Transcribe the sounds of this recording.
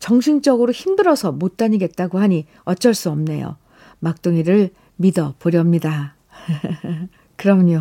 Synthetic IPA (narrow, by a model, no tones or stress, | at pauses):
t͡ɕʌŋɕʰiŋt͡ɕ͈ʌɡɯɾoçimdɯɾʌsʰʌmot͈̚aɲiɡe̞t̚t͈aɡohaɲi | ʌt͡ɕ͈ʌɭs͈uʌmne̞̰jo̰ | mak̚t͈oŋiɾɯɭ | midʌpoɾjʌmɲida | kɯɾʌmɯɲo